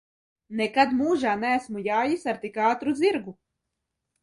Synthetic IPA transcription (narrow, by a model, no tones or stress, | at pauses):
nɛkad̪muːʒaːnæːsmujaːjisaɾt̪ikaːt̪ɾud̪ziɾɡu